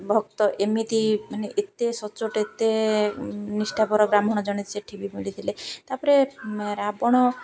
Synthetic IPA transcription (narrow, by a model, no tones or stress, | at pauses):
bʱɔkt̪ɔʔemit̪imaneʔet̪ːesɔt͡ʃoʈet̪ːe | nisʈʰapɔɾɔɡɾamɔɽ̃ɔd͡ʒɔɽ̃it̪ʰsʰeʈʰibimilit̪ʰilett̪aɾpɔɾeɾabɔɽ̃ɔ